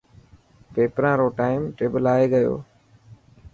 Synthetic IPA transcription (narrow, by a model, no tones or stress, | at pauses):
peːpɾãːɾoːʈaːɪmʈeːbəlaːeːɡəjo̰ː